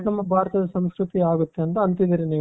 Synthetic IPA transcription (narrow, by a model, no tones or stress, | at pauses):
nɐmːɐbʱaːɾɐt̪ɐd̪ɐsɐmskɾut̪iaːɡut̪ːeɐnt̪ɐɐnt̪id̪iːɾiniː